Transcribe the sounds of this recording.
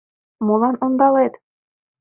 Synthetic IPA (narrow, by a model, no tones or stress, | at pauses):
molˠɑnond̪ɑlˠet̪